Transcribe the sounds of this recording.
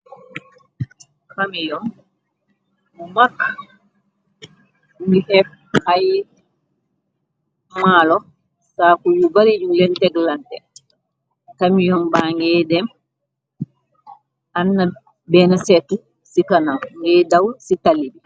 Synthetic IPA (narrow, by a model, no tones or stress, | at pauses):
hamijɔn | makː | ŋɡihɛf | aj | malɔ | sakujubaɾid͡ʒulɛntɛɡlantɛ | kamijɔmbaːŋɡɛdɛm | anːa | bɛːnasɛtu | sikanamŋɡɛdawsitalːidi